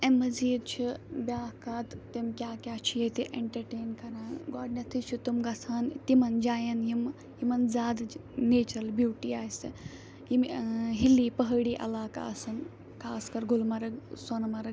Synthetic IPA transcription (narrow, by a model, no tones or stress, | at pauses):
emɐziːd̪t͡ʃʰibʲaːkaːt̪t̪emkʲjaːkʲjaːt͡ʃʰijet̪iʔeɳʈɐɾʈeːnkɐɾaːnɡɔːɖnʲɐt̪ʰit͡ʃʰut̪umɡɐsʰaːnt̪imɐnd͡ʒaːjɐnjim | jimɐnzaːd̪neːt͡ʃɐlbjuːʈiaːjsɨ | jimɦilːipəɦəɽiːʔɐ̰laːka̰ɐsɐn | kʰaːskɐɾɡulmɐɾɐɡsɐnɐmɐɾɐ